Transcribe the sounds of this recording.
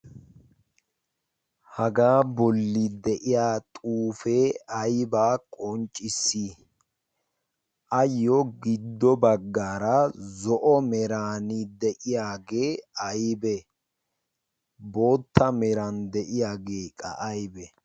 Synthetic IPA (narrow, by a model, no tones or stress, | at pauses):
hɐɡaːbɔlːɪd̪ɛʔɪjaːt̪ʼuːfeːɐjbaːkʼɔnt͡ʃʼːɪsːi | ʔɐjːɔɡɪd̪ːɔbɐɡːaːɾɐzɔʔɔmɛɾaːnɪd̪ɛʔɪjaːɡeːɐjbɛ | bo̞ːt̪ʰːɐmɛɾɐnd̪ɛʔɪjaːɡeːkʼɐ̰ʔɐjbɛ